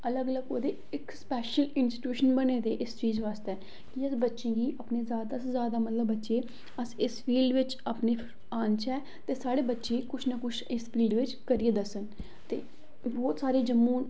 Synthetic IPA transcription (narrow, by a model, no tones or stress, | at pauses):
ələɡələɡoːd̪eː | ɪkspɛːʃəlɪnsɪ̥ʈjuːʃənbəneːd̪eːʔɪst͡ʃiːzʋaːst̪ɛː | kɪəsbətːʃẽːɡiːʔəpneːzjaːd̪aːsezjaːd̪aːmət̪ləbːətːʃeː | əsɪsfiːlɖʋɪt͡ʃəpneː | aːnt͡ʃʰɛː | t̪eːsaːɽeːbətːʃeːkʊt͡ʃʰnəkʊt͡ʃʰɪsfiːlɖʋɪt͡ʃkəɾieːd̪əsən | t̪ḛː | bɔːt̪saːɾeːd͡ʒəmːõːn